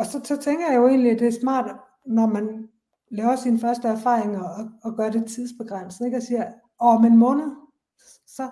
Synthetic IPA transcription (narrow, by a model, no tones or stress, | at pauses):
ɒ̽sɒ̽sɒ̽t͡sʰeŋɡ̥ɐjjjoe̝̰ːnliæd̥e̝æɐsmɑ̰̈ːd̥ | nɒmæn | lɛːʊɐsinfɶɐsd̥əæɐfɑ̰̈ːʁeŋɒːɡ̥ɶːɐɾ̥e̝t͡sʰið̞̰ˠsb̥e̝ɡ̥ʁan̰sn̩e̝ɡ̥ɒsiːɐ | ɒmenmɔ̽ːnð̩ˠ | sɒ̽